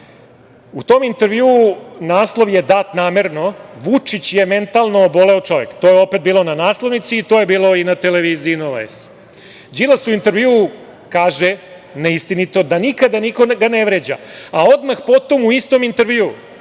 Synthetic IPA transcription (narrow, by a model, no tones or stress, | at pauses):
ut̪oːmint̪e̞ɾʋjiuunaːslˠo̞ʋje̞d̪aːt̪naːmeɾno̞ʋut͡ʂit͡ɕjeme̞nt̪alˠno̞ːbo̞le̞ot͡ʃo̞ʋekt̪o̞ːjeo̞pe̞t̪̚biːlˠo̞nanaːslˠo̞ʋnit̪siːt̪o̞ːje̞biːlˠo̞inat̪eleʋiːziːnolḛs | d͡ʑilˠasuint̪eɾʋjiu | kaːʒe | neist̪init̪o̞d̪anikad̪aniko̞ɡaneʋɾed͡ʑa̰ao̞d̪maxpo̞t̪o̞muist̪omint̪eɾʋiu